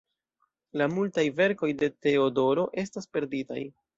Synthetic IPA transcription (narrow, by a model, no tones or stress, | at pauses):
lamultajve̞ɾko̞jde̞te̞odo̞ɾo̞ʔe̞staspe̞ɾdita̰j